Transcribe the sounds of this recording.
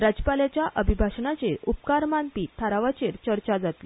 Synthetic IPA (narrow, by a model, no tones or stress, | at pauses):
ɾad͡ʑpaljat͡ɕjaʔəbʱibʱaɕɳat͡ɕeɾup̚kaɾmanpiːt̪ʰːaɾaʋat͡ɕeɾt͡ɕəɾt͡ɕad͡zat̪li